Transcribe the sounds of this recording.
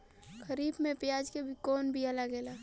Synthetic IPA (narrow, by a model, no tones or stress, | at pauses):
kʰəɾiːbmẽpɪjaːd͡ʒkebʱikoːnbʱialaɡeːlaː